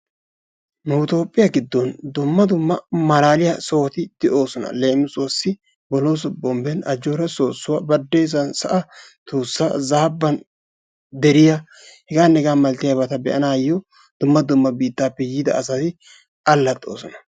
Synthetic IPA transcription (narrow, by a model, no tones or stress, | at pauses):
nʊɪt̪o̞ːpʼːɪjɐɡɪd̪ːɔnd̪ʊmːɐd̪ʊmːɐmɐlaːlɪjɐso̞ːt̪ɪd̪̥ɛʔo̞ːsɔnɐ̰le̞ːmɪsoːsːɪ | bɔloːs̬ʊbɔmbɛnɐd͡ʒːoːɾɐso̞ːsːʊwabɐd̪ːeːs̬ɐnsɐʔɐt̪uːsːaːzaːbːɐn | d̪ɛɾɪja | hɛɡaːnːɛɡaːmɐlt̪ɪjɐbɐt̪ɐbɛʔɐnaːjɔ | d̪̥ʊmːɐd̪ʊmːɐbiːt̪ːaːpːɛjiːd̪ɐ̰ːsɐt̪ɪ | ɐlːɐt̪ʼːo̞̰ːsɔnɐ̥